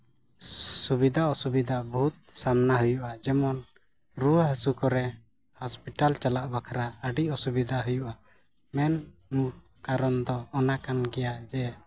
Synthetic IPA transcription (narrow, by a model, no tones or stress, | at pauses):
subid̪ʱaɔsubid̪ʱabɔɦut̪̚samnaɦujuʔad͡ʒɛmɔn | ɾuəɦəsukɔɾɛ | hɔspiʈalt͡ʃalaʔbakʰaɾaəɖiʔɔsubid̪ʱaɦujuʔa | mɛnmu | kaɾɔnd̪ɔːnakanɡɛjaʔd͡ʒɛ